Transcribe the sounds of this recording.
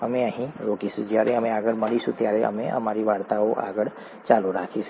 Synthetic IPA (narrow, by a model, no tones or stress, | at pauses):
ɦɐmẽəɦĩɾoːkisɪd͡ʒiaːɾẽɦɐmẽaːɡəɽmɐɽisut̪jaːɾeɦɐ̰mẽɐ̰maːɾiʋaːɽt̪aoʔa̰ːɡəɽ | t͡ʃaːluɾaːkʰe